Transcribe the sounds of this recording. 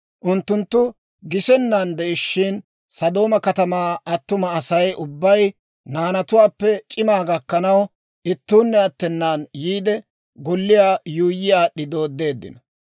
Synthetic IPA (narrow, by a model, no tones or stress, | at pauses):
ʔʊnt̪ːʊnt̪ːʊ | ɡɪsɛnːand̪ɛʔɪʃːɪn | sɐd̪o̞ːmɐkɐt̪ɐmaːɐt̪ːʊmɐːsɐjʔʊbːɐj | naːnɐt̪ʊwaːpːɛt͡ʃʼɪmaːɡɐkːɐnɐw | ʔɪt̪ːuːnːɛɐt̪ːɛnːaːnjiːd̪ɛ | ɡɔlːɪjaːjuːjɪjaːɗɪd̪oːd̪ːe̞ːd̪ːɪ̰nɐ